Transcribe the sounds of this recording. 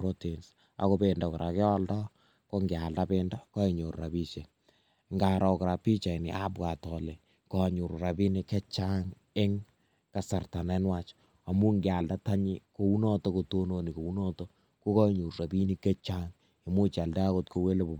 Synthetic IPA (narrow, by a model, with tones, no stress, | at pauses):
ɾo˦ti˨ns | a̰˨ko˦bendɔkɔ˨ɾʔa˨kɪ˦ɔ˦ldɔ˦ | ko˦ŋɡjalda˦penda˦kɔ˦iɲo˨rra˨bi˦t͡ʃe˨ | ŋɡa˨ɾʔɔ˨kɾa˨pi˦t͡ʃa˨i˨ni˨ʔa˦bwa˨tɔ˨le˨ | kɔ˨ɲu˨ɾra˨bi˦ni˦kɛ˦t͡ʃaŋ | e˦ŋ | ka˨sa˨rta˨nɛ˦nwat͡ʃ | a˨mu˦ŋɡja˨lda˦ta˦ɲi˦ko˨wu˦nɔto˦koto˦no˨ni˨ko˨wu˦nɔto | ko˦kɔ˦˨ɲu˨ɾɾa˨bi˦ni˦kɛ˦t͡ʃaŋ | a˨mu˦t͡ʃa˨lda˦a˦ko˦tko˨we˦le˦bo˨